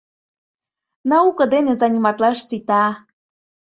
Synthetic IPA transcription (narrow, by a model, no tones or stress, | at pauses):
nɑukɤ̆d̪enezɑnʲimɑt̪lɑʃsit̪ɑ